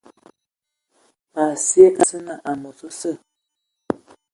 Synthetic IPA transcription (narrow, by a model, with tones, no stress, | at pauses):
a˨sje˦ʔa˨sə˦na˦˨ʔa˨mɔ˨so˦sə˦˨